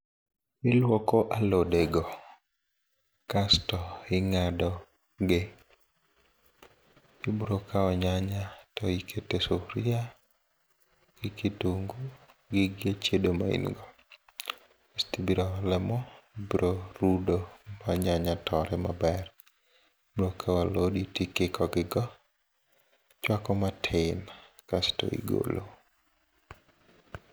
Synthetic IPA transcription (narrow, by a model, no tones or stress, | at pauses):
ɪlwɔkɔʔalodeɡɔ | kastɔɪŋadɔ | ɡe | ibɾokaɔɲaɲatɔikʰetesoɾia | ɡ̥ɪketuŋɡuɡɪɡat͡ʃedomaḭnɡɔ | istibiɾɔlɛmɔbiɾʔoɾudomaɲaɲatʰɔɾɛmabɛr | ɾokʰawaloditikɪkɔɡɪɡɔ | t͡ʃwakɔmatʰɪnakastɔ̰ḭɡo̰lo̰